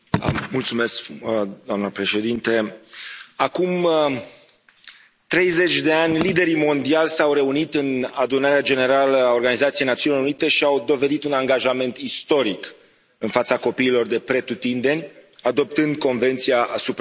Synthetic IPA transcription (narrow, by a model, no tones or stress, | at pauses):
mult̪sume̞skd̪oamnəpɾe̞ʃe̞d̪int̪e | akum | t̪ɾe̞jze̞t͡ʃʲd̪e̞anʲlid̪e̞ɾimo̞nd̪ialʲsawɾe̞unit̪ɨnad̪unaɾead͡ʒe̞ne̞ɾaləao̞rɡanizat̪siejnat̪siuniloɾunit̪e̞ʃiawd̪o̞ve̞d̪it̪unaŋɡaʒame̞nt̪ist̪o̞ɾik | ɨnfat̪sako̞piːlo̞rd̪e̞pɾe̞t̪ut̪ind̪e̞nʲad̪o̞p̚t̪ɨnd̪̚ko̞nve̞nt̪sijaʔasup